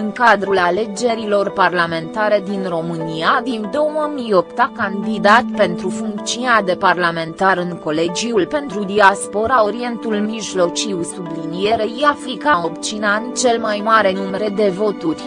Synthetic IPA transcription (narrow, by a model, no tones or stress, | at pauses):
ɨŋkad̪ɾulale̞d͡ʒe̞ɾilo̞rparlame̞nt̪aɾe̞d̪inro̞mɨniavimd̪o̞wməmijopt̪akand̪id̪at̪pe̞nt̪ɾufuŋkt̪siunead̪e̞parlame̞nt̪aɾɨŋko̞le̞d͡ʒiulpe̞nt̪ɾud̪iaspo̞ɾao̞ɾie̞nt̪ulmiʒlo̞t͡ʃiwsublinije̞ɾe̞japlikao̞pt͡ʃinant͡ʃe̞lmajmaɾe̞numeɾe̞d̪e̞vo̞t̪urʲ